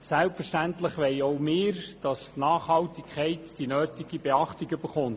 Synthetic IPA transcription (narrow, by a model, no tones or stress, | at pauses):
sælpfəʃtæntləχʋɛɪoʊmɪːɾd̥ɑstnɑːχhɑltikʰχɛɪtd̥inøːtiɡ̥ib̥eɑχtiɡyb̥əɾχʊnt